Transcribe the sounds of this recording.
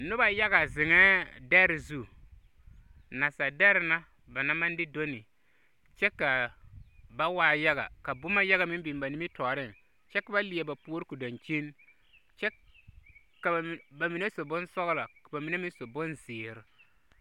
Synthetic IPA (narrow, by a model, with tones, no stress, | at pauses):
nʊ˦ba˨ja˦ɣa˨zɪ˨ŋɛː˦dɛ˦ɾɪ˨zu˦ | na˨sa˨dɛ˦ɾɪ˨na˦ | ba˨na˦ma˦ndɪ˦do˦nɪ˨ | t͡ʃɛ˦ka˨ | ba˦waː˦ja˦ɣa̰˨ka˨bʊ˦ma˦ja˦ɣa˨mɪ˦bi˨m˨ba˨ni˦mɪ˦tɔː˨ɾɪ˦˨ŋ | t͡ʃɛ˦ka˨ba˦lɪ˨ɛ˨ba˨pu˦o˦ɾɪ˦ku˨da˨nt͡ʃi˦n | t͡ʃɛ˦ | ka˨ba˨mi˨na˦so˨bʊ˦nsɔ˦ɣla˨ka˨ba˨mi˨na˦mɪ˦n˦so˨bʊ˦nzɪː˨ɾɪ˨